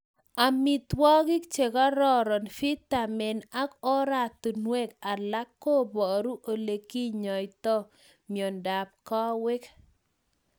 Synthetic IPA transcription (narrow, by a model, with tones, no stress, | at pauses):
a˨mi˨t̪wɔ˦ɡɪ˦kt͡ʃe˨ka˦ɾɔ˦ɾɔ˨nfi˦t̪a˨mɛ˨na˦kɔ˦ɾa˨t̪u˨nwɛ˦˨ka˨la˦kːo˦bɔ˨ɾu˦ʔo˨le˨ki˦ɲɔ˨jt̪ɔ˦ | mjɔ˨nda˨p̚kɔ˦wɪ˦k